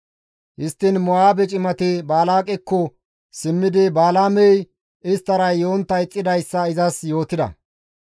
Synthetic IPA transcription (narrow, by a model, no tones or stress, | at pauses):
hɪst̪ːɪnmɔaːbɛt͡ʃʼɪmɐt̪ɪbaːlaːkʼɛkːɔ | sɪmːɪd̪ɪbaːlaːmɛj | ɪst̪ːɐɾɐjjoːnt̪ːɐjt͡sʼːɪd̪ɐjsːɐɪzɐsjo̞ːt̪ɪd̪ɐ̰